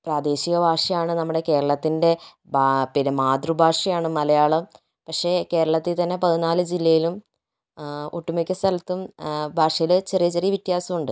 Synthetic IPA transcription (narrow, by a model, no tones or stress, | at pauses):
praːd̪e̞ːɕiɣɐbʱaːʂɐjaːɳɨnɐmːuɽe̞ke̞ːɾɐɭɐt̪ːinde̞ | bʱapinɐmaːd̪rubʱaːʂɐjaːɳɨmɐlɐjaːɭɐm | pɐkʂe̞ke̞ːɾɐɭɐt̪ːit̪ɐnːe̞pɐðinaːlɨd͡ʑilːɐjilum | uʈːumɐkʲːɐst̪ɐlɐt̪ːumbʱaːʂɐjilɨt͡ɕerijɐt͡ɕerijɐʋit̪ːjaːsɐmuɳɖɨ